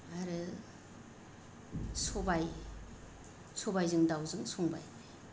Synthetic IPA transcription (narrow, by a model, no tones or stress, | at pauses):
aɾɯ | sobaj | sobajzɯŋdawzɯŋsoŋba̰jke